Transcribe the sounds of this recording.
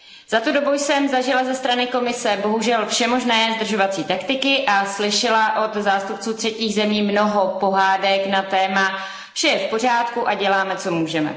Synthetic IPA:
z̥at̪udo̞bujsɛmzaʒɪlazɛst̪ɾanɪko̞mɪsɛbo̞ɦuʒɛlfʃɛmo̞ʒnɛːzd̪r̩ʒo̞vat͡siːt̪akt̪ɪkɪʔaslɪʃɪlaʔo̞t̪zaːst̪up̚t͡suːt̪r̝̥ɛciːɣzɛmiːmno̞ɦo̞po̞ɦaːdɛknat̪ɛːma | fʃɛjɛfpo̞r̝aːt̪kuʔaɟɛlaːmɛt͡so̞muːʒɛmɛ̰

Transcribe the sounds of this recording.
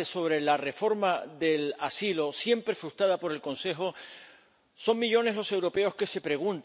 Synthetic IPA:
eso̞β̞ɾe̞lare̞fo̞ɾmaðe̞lasilo̞sje̞mpɾe̞fɾust̪ɾaðapo̞ɾe̞lkõ̞nse̞ɦo | so̞ŋmiʎo̞ne̞ɦlo̞se̞wɾo̞pe̞o̞ske̞se̞pɾe̞ɣ̞ũnt̪

